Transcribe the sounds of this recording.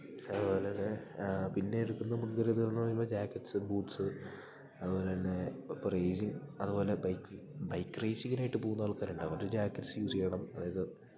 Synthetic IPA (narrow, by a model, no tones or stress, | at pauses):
ɐðupo̞ːlenːepinːe̞iɾukːunːɐmuɳɡɐɾiɐt̪uɣlɭnːɨpɐrɲimːpːoːd͡ʑaːkːɐʈːsɨbuːʈsɨ | ɐðɨpo̞ːle̞ɐnːeprejd͡ʑiŋɐðubo̞ːle̞bɐjkː | bɐjkːrɐjsiŋːɐnaːjʈːɨpoːɣunːɐɐɭkaːnuɳɖɨɐʋɐrɾud͡ʑaːkːɐʈːsɨjuːsikːeːɳɐmɐðaːjɐðɨ